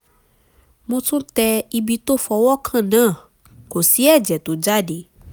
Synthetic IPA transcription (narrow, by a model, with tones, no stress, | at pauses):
mõ˦t̪ũ˦t̪ɛ˧i˧bi˧t̪o˦fɔ˨wɔ˦kʰã˦˨nã˦˨ | ko˨si˦ɛ˦˨d͡ʒɛ˨t̪o˨d͡ʒa˦ɖe˨